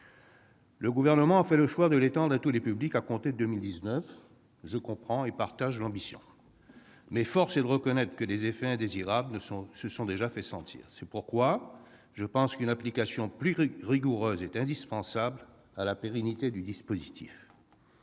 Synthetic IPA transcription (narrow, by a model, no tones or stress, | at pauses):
ləɡuvɛʁnəmɑ̃afɛləʃwad̪əlet̪ɑ̃d̪ʁat̪ulepyblikakɔ̃t̪ed̪ømild̪iznœf | ʒəkɔ̃pχɑ̃epaʁt̪aʒlɑ̃bisjɔ̰̃ | mɛfɔʁsed̪əʁəkɔnɛt̪χə̥kəlezefɛɛ̃d̪eziʁabl̃səsɔ̃d̪eʒafɛsɑ̰̃t̪ʰḭːʁsɛpuʁkwa | ʒəpɑ̃skynaplikasjɔ̃plyʁiɡuʁøzɛt̪ɛ̃d̪ispɑ̃sabl | alapeʁɛnit̪ed̪yd̪ispozit̪ʰḭf